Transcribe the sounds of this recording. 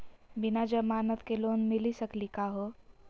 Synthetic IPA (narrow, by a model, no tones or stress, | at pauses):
bɪnad͡ʒəbmaːnət̪keloːnmɪlisəklikaɦoː